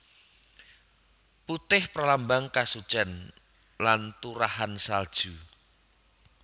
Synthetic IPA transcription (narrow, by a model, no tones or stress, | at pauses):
put̪ɪhpɾalambaŋkasu̥t͡ʃɛn | lant̪uɾahansald̥ʒ̥u